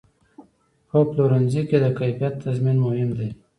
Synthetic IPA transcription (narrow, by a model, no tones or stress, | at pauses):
hoploɾanziked̪akajfijat̪ʰːazminmʊhɪmd̪e